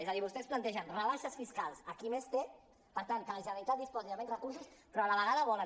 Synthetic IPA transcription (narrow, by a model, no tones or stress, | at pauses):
ezəðiβust̪ɛsplant̪ɛʒənrəβaʃəsfiskalˠsəkimest̪e | pəɾt̪ankələʒənəɾit̪at̪d̪ispɔziðəβɛnrəkuɾsuspɾɔaləβəɣaðəβɔlə